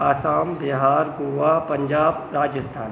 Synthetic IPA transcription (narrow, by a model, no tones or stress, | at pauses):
aːsaːmbeɦaːɾɡoːʋapɐ̃ɲd͡ʒaːbɾaːd͡ʒəst̪ʰaːn